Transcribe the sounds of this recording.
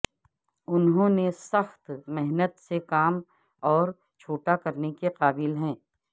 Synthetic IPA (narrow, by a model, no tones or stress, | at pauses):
ʊnɦõːnesɐxt̪mɛɦnət̪sekaːm | ɔːɾ | t͡ʃʰoːʈakɐɾnekeqaːbɪlɦɛ̃ː